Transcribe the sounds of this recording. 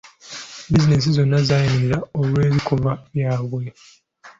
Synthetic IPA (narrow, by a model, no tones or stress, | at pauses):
bizines̬izo̞nːazaːjimiɾiɾaolwe̞ːzikovaβjaːβwe